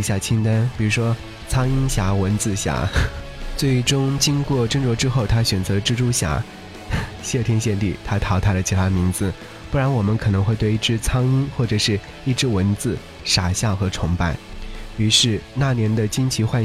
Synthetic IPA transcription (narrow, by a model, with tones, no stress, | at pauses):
ɕja˥˩t͡ɕʰi˥ŋt̪a˥npi˨˩ɻu˧˥ʂwɔ˥ | t͡sʰɑ˥ŋi˥nɕja˧˥wə˧˥nt͡sɹ̩˥˩ɕja̰˧˥ | t͡swe˥˩ɪʈ͡ʂʊ˥ŋt͡ɕi˥ŋkwɔ˥˩ʈ͡ʂə˥ŋʈ͡ʂwɔ˧˥ʈ͡ʂɻ̩˥xo˥˩ʊt̪ʰa˥ɕɥɛ˨˩nt͡sɤ˧˥ʈ͡ʂɻ̩˥ʈ͡ʂu˥ɕja̰˧˥ | ɕɛ˥˧˩t̪ʰjɛ˥nɕjɛ˥˧nt̪ḭ˥˩t̪ʰa˥t̪ʰɑ˧˥ʊt̪ʰa˥lə˨t͡ɕʰi˧˥t̪ʰa˥mi˧˥nd͡zɹ̩˧ | pu˥˩ɻa˧˥nwɔ˨˩mə˦nkʰɤ˨˩nɤ˧˥ŋxwe˥˧ɪt̪we˥˧ɪi˥˩ʈ͡ʂɻ̩˥t͡sʰɑ˥ŋi˥nxwɔ˥˩ʈ͡ʂɤ˨˩ʂɻ̩˥˧ | i˥˩ʈ͡ʂɻ̩˥wə˧˥nt͡sɹ̩˥˩ | ʂa˨˩ɕjɑ˥˩ʊxɤ˧˥ʈ͡ʂʰʊ˧˥ŋpa̰˥˩ɪy˧˥ʂɻ̩˥˧na˥˩njɛ˧˥nd̪ə˧t͡ɕi˥nt͡ɕʰi˧˥xwa˥˧